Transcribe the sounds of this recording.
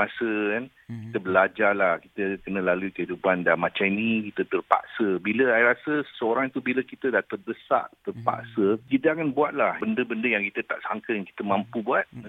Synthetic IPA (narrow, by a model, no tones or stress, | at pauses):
masəkan | kit̪əbəlad͡ʒalahkit̪əkənə̃laluikəɦidupandamat͡ʃainĩkit̪ət̪ərpa̰ʔsəbiləaɾasəsəoɾaŋt̪ubiləkit̪ədaht̪ərbəsa̰ʔt̪ərpa̰ʔsəkit̪əakanbuat̪̚lahbəndəbəndəjaŋkit̪ət̪a̰ʔsaŋkəjaŋki̥t̪əmãmpubuat̪̚